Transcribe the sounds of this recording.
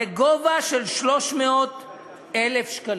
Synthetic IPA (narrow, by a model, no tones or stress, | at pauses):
eɡovaʃelʃlo̞ʃmeot̪ | elefʃkal